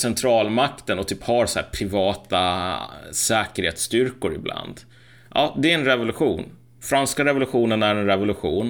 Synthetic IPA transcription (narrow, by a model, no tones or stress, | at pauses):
sɛnt̪ʰɾɑːlmakt̪ənɔt̪ʰyːphɑɾsahæ̰ːɾpʰɾɪvɑːt̪a̰ | sɛːkəɾheːt̪st̪ʏɾkʊɾɪ̰blʔa̰nd̪ | ʔɑ̰ːd̪ɛɾɛnɾɛvʊlɵɧuːn | fɾanskaɾɛvʊlɵɧuːnənæɾɛnɾɛvʊlɵɧuːn